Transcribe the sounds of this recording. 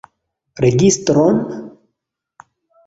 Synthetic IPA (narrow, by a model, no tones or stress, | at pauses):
ɾeɡist̪ɾon